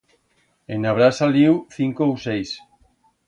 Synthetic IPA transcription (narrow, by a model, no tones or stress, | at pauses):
enaβɾasaliwθiŋkowsejs